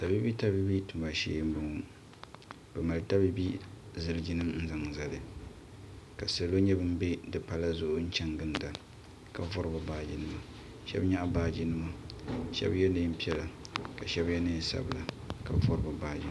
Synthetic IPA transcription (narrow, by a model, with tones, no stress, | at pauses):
ta˨bi˦bi˦ta˦bi˦bi˦tu˨ma˨ʃḛː˦m̩˦bʊ˨ŋu˨˦ | b̥ɛ˨ma˨lta˦bi˦bi˦zɨ˦lɨ˦d͡ʒi˦nɨ˦mn̩˦za˦ŋza˨lɨ˨ | ka˨sa˨lo˦ɲɛ˦bɨ˦m˦be˦dɨ˨pa˦la˦zʊ˦ʔʊ˦n̩˦t͡ʃɛ˦ŋɡɨ˦nda˨ | ka˨vɔ˦ɾɨ˦ba˨baː˦d͡ʒi˦nɨ˦ma˨ | ʃɛ̰˦bɲa˦ʔbaː˦d͡ʒi˦nɨ˦ma˦ʃɛ̰˦bjɛ˦nɨ˦m̩˦pi˦ɛ˦la˨ka˨ʃɛ˦bjɛ˦nɨ˦˨sa̰˨bɨ˨la˨ | ka˨vɔ˦ɾɨ˨˦ba˨baː˦d͡ʒi˦